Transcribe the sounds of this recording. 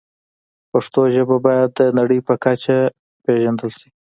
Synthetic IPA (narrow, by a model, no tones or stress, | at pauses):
paʂt̪oʒəbabɑjad̪ːənaɽəjpəkat͡ʃa | peʒand̪əlʃi̥